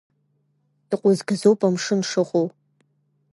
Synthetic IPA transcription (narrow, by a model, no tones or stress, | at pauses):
d̥ɨqʷʊzɡɨzowpʼɐmʂɨnʂɨʁow